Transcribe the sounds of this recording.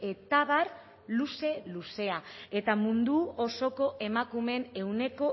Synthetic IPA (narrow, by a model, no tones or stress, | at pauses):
e̞t̪aβ̞ar | luse̞luse̞ae̞t̪amund̪uoso̞ko̞ʔe̞makume̞ne̞wne̞ko̞